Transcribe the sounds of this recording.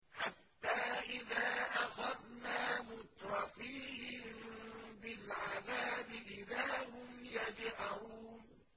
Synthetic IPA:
ħat̪ːaːʔɪðaːʔaxaðnaːmʊt̪ɾˤɑfiːhɪmbɪlʕaðaːbɪʔɪðaːhʊmjad͡ʒʕaɾuːn

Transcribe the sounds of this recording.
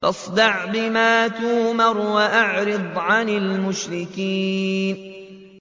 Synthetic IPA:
fɑsˤd̪ɑʕbɪmaːt̪uːmɑɾˤwaʔaʕɾɨd̪ˤʕanɪlmʊʃɾɪkiːn

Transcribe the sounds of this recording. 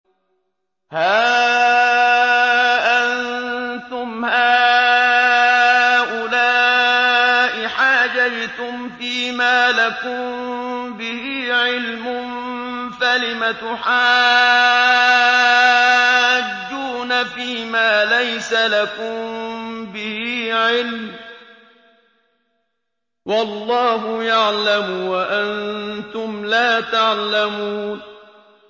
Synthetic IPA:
haː | ʔant̪ʊmhaː | ʔʊlaː | ʔɪħaːd͡ʒajt̪ʊmfiːmaːlakʊmbɪhiːʕɪlmʊm | falɪmat̪ʊħaː | d͡ʒːuːnafiːmaːlajsalakʊmbɪhiʕɪlm | wɑlˤːɑːɦʊjaʕlamʊwaʔant̪ʊmlaːt̪aʕlamuːn

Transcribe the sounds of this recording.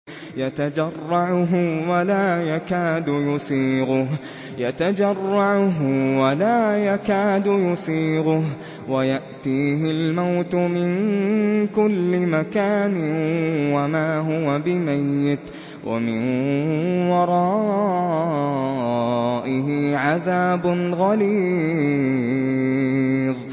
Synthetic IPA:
jat̪ad͡ʒɑrˤːɑʕʊɦʊwalaːjakaːd̪ʊjʊsˤiːɣʊɦ | jat̪ad͡ʒɑrˤːɑʕʊɦʊwalaːjakaːd̪ʊjʊsˤiːɣʊh | wajaʔt̪iːɦɪlmawt̪ʊmɪn | kʊlːɪmakaːnɪwamaːɦʊwabɪmajːɪt̪ | wʔa̰mɪnnwɑɾˤɑː | ʔɪhɪʕaðaːbʊnɣaliː | ðˤ

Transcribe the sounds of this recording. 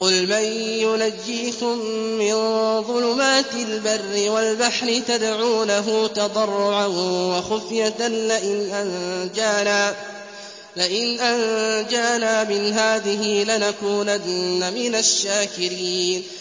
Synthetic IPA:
qʊlmajjʊnad͡ʒːiːkʊmːɪnðˤʊlʊmaːt̪ɪlbarːɪwalbaħɾɪt̪ad̪ʕuːnaɦʊːt̪ɑd̪ˤɑrˤːʊʕanwaxʊfjat̪anlaʔɪnʔand͡ʒaa | lɪʔɪnʔand͡ʒaːnaːmɪnɦaːðɪɦɪlɪnakuːnaːamɪnaʃːaːkɪɾiːn

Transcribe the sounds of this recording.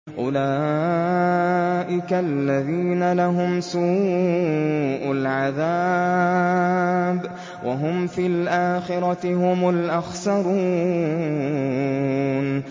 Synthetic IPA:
ʔʊlaː | ʔɪkalːaðiːnalaɦʊmsuː | ʔalʕaðaː | b | wʔa̰ɦʊmfiːlʔaːxɪɾˤɑhʊmʊlʔaxsɑɾˤuː | n

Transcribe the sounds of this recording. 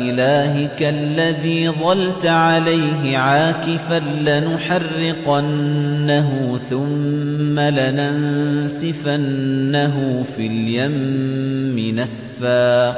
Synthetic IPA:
ʔɪlaːɦɪkaʔlːaðiːðˤɑlt̪ʕalajɦɪʕaːkɪfanlɪnʊħɑrːɪqanːaɦʊθʊmːalanansɪfanːaɦʊfiːljamː | ɪnas | faː

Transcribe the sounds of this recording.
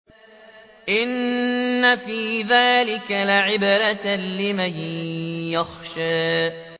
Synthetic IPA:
ʔɪnːafiːðaːlɪkalɪʕɪbɾalɪmanjaxʃaː

